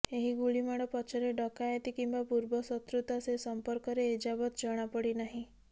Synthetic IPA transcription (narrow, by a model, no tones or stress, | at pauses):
eɦiɡuɭimaɽ̃ɔpɔt͡ʃʰɔɾeɖɔkajet̪ikimbapuɾbɔsɔt̪ɾut̪asesɔmpɔɾkɔɾeːd͡ʒabɔt̪d͡ʒɔɽ̃apɔɽinaɦĩ